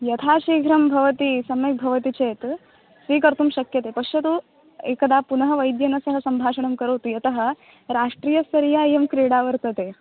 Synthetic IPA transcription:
jɐt̪ʰaːʃiːɡʱɾɐmbʱɐʋɐt̪isɐmek̚bʱɐʋɐt̪it͡ʃeːt̪ | sʋiːkɐɾt̪umʃɐkjɐt̪epɐkʂɐt̪u | ḛkɐd̪aːpunɐɦɐʋɐjd̪jɐnɐsɐɦɐsɐmbʱaːʃɐɳ̃ɐmkɐɾoːt̪ujɐt̪ɐɦɐ̆ | ɾaːʂʈɾijɐsɐɾijajemkɾiːɽaːʋɐɾt̪ɐt̪e

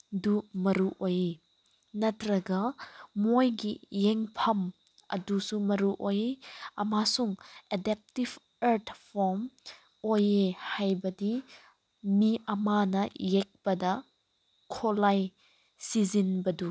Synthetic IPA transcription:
dumɐɾuʔoje | nɐtʰɾɐɡɐmojɡijeŋpʰɐm | ɐ̰dusumɐɾuʔojeɐmasuŋedɛp̚tib | ɐɾtʰpʰɔɾm | ojehajbɐdi | miɐmanɐjek̚bɐdɐ | kʰolaj | sizinbɐdu

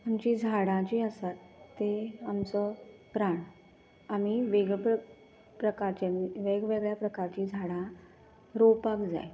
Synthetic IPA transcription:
amt͡ɕid͡zʱaɽãt͡ɕiːəsat̪ːeamt͡səpɾaɳ | am̤iʋeɡɭp | pɾəkaɾt͡ɕaniʋeɡʋeɡɭjapɾəkaɾt͡ɕiːd͡zʱaɽã | ɾopakd͡za̰j

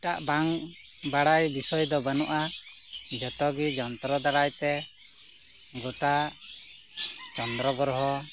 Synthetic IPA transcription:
ʈaʔbaŋ | baɽajbisɔjd̪ɔbənɔʔa | d͡ʒɔt̪ɔɡid͡ʒɔnt̪ɾɔd̪aɽajt̪ɛ | ɡɔt̪a | t͡ʃɔnd̪ɾɔɡɔɾɦɔ

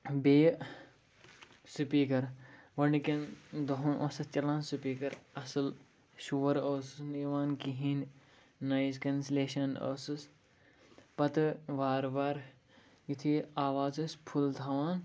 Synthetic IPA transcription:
beː | supiːkɐɾʋɐɳikɐnd̪ɐɦunʔoːsɐt͡ʃɐlãːnsupiːkɐɾɐsɨl | ʃuːʋɐɾoːsɨsniʋaːnkiɦiːnː | ɐjzkɐnsleːʃɐno̰ːsɨs | pɐt̪ɨʋaːɾʋaːɾ | jit̪ʰiaːʋaːzɐspʰult̪ʰaːʋaːn

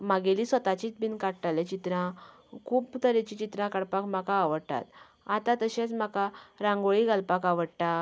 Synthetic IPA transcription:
maɡelisʋət̪at͡ɕit͡sbinkaɽʈalet͡ɕit̪ɾã | kʰuːpt̪əɾet͡ɕit͡ɕit̪ɾãkaɽpakm̤akaːʋəɽt̪a̰t̪ | at̪ãt̪əɕẽt͡sm̤akaɾãŋɡoɭiɡalpakaʋəɽʈ̪a

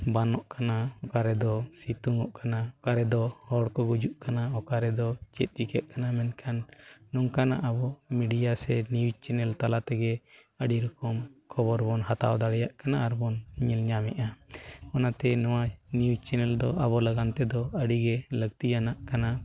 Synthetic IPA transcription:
banɔʔkanaɔkaɾɛd̪ɔsit̪uŋɔʔkanaɔkaɾɛd̪ɔhɔɽkɔɡud͡ʒuʔkanaɔkaɾɛd̪ɔt͡ʃɛt̪̚ˀd͡ʒikɛʔ̪̚ˀkanamɛnkʰanːɔŋkana̰ʔabɔmiɖijasɛniwd͡ʒt͡ʃɛnɛlt̪alat̪ɛɡɛ | əɖiɾukɔmkʰɔbɔɾbɔnhat̪a̰wd̪aɽɛjaʔkanaːɾbɔnɲilɲamɛʔaɔnat̪ɛnɔwanid͡ʒt͡ʃɛnɛld̪ɔʔabɔlaɡant̪ɛd̪ɔəɖiɡɛləɡt̪ijanaʔkana

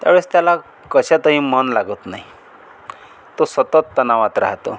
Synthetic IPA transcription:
t̪a̰bɽest̪ala | kʌsʰat̪ʌɦĩmʌnlaɡot̪naj̃ | t̪osʌt̪ʌt̪ːʌnawat̪ɾa̰ɦat̪o̰

